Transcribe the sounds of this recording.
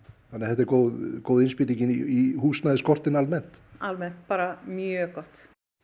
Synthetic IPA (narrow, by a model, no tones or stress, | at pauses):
θanːaθɛt̪aɛɾkoːwðkowðɪnspɪːt̪iɲcɪniihuːst̪naðɪskɔr̥t̪ɪnalmɛn̥t̪almɛn̥t̪̚paːɾamjœkɔht̪